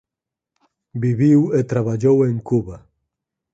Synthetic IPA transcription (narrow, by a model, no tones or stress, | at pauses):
biβiwet̪ɾaβaʎoweŋkuβa